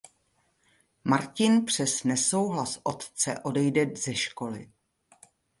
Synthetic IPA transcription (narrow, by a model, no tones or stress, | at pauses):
maɾcɪnpr̝̥ɛsnɛso̞wɦlasʔo̞t̪t͡sɛ̰ʔo̞dɛjdɛzɛʃko̞lɪ̰